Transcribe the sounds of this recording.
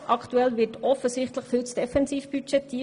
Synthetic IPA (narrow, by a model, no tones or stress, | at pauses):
ʔɑktuɛlʋɪːtɔfəsɪχtləχfytsd̥ɛfɛnsiːfb̥yt͡ʃɛt̪ʰːiː